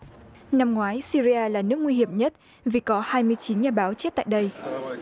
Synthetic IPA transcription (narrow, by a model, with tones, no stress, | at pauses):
na˧mŋwaː˨˦jsi˧ɾi˧ʔaː˧laː˨˩nɨ˦˥ək̚ŋwi˧hi˧˩əmɲə˦˥t̚ | vi˨˩kɔ˨˦haː˧jmɨ˧əjt͡ɕi˨˦nɲaː˨˩ɓaː˨˦wt͡ɕe˦˥t̚t̪a̰ː˧˨jɗə˧j